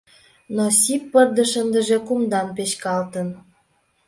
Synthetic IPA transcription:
nosipːərd̪əʃənd̪əʒekumd̪ɑnpeɕkɑlt̪ən

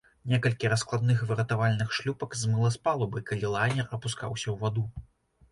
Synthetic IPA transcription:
nʲɛkɐlʲkʲiɾɐsklˠad̪̚nɨxvɨɾɐt̪avalʲnɨxʂlʲupɐkzmɨlˠɐspalˠɐbɨkalʲilˠajnʲɛrɐpuska̰wsʲɐwvad̪u

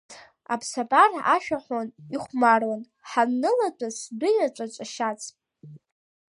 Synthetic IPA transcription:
a̰pʰsapʼaraʃᶣaħʷoniχʷmarwan | ħanːɨlatʼasdʷʊjat͡ʃʷʼat͡ʃʷʼaʃat͡sʰʼ

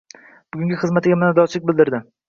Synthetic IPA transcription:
b̥ʊɡʲʊŋɡʲɪχɨzmat̪ɪɡʲamɪnad̪ɒt͡ʃʰlɪk̚ʲbɪlˠd̪ɪɾd̪ɪ

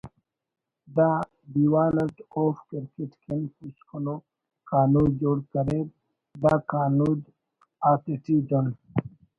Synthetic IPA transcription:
d̪aː | biwaːlɐʈoːfkɪɾkeʈkenpuɕkuno | kaːnud͡ʑoːɽkɐɾeːd̪̚ | d̪aːkaːnuːd̪ | aːt̪eʈiːdon

